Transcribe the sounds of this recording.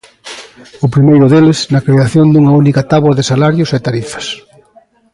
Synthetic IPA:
ʊpɾimejɾʊðelɪsnɐkɾeaθjond̪uŋɐunikɐt̪aβwɐðɪsalaɾjʊset̪aɾifɐ̥s

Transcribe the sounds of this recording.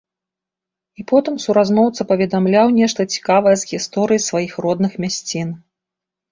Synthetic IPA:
ipɔt̪ɨmsuɾaznɔwt̪sɐpɐvʲɛd̪amlʲawnʲɛʂt̪ɐt͡sʲi̥kavɐjɛzɣʲist̪ɔɾɨjisvajixrɔd̪nɨxmʲasʲt͡sʲin

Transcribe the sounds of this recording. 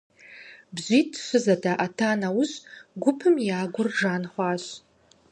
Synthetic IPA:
bʒʷitʃʷɨzadaʔatʰanawʊɕʷɡʷʊpʰɨmjaːɡʷʊrʐanχʷaʃʷ

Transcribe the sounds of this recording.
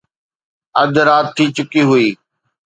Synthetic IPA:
əd̪ɾaːt̪ʰːiːt͡ʃʊkiɦʊiː

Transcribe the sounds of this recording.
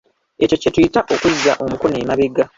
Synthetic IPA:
e̞co̞ce̞tujitaʔo̞kuzːa̰ʔo̞mukoneːmaβeɡa

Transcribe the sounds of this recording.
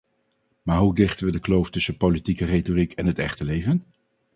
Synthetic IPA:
maːɹɦudɪχtənʋədəklowftɵsəpowlitikəretorikʰɛnɦətɛχtəlejvən

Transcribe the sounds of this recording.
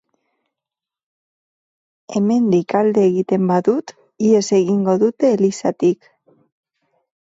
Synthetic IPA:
e̞me̞nd̪ikald̪e̞ːɣit̪e̞mbaðut̪ | ie̞se̞ɣiŋɡo̞ðut̪e̞ːlisat̪ik

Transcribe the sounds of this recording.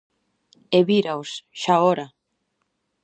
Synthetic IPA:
eβiɾawsʃaoɾa

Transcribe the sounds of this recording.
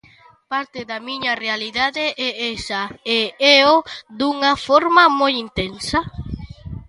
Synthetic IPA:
paɾt̪eðamĩɲarealiðaðeʔɛesaeeod̪uŋafoɾmamojint̪ensa

